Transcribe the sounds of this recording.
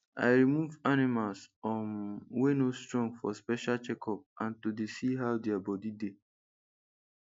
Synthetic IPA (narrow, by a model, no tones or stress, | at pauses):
a̰ɪɹimuvanimalsɔ̃nwenostɹɔ̃ŋɡfɔspɛʃalt͡ʃɛkʰɔp̚ãntodesiɦaʊdɛabɔdide